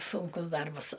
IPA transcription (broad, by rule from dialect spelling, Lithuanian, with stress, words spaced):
ˈsʊŋkʊs ˈdɐrbɐs